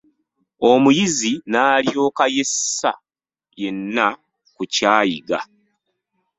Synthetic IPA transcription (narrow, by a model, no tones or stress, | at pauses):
o̞mujizinaːljo̞ːkaje̞sːa̰ | je̞nːa | kucaːjiɡa̰